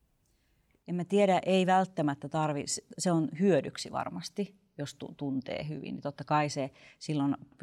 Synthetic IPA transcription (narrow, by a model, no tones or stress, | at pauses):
emmæt̪ieɾæʔeiʋælt̪ːæmæt̪ːæt̪ɑrʋisseonhyødyksiʋɑ̰rmɑst̪i | jost̪ṵt̪unt̪ḛːɦy̰ʋḭnːḭt̪ot̪ːɑkɑisesilːon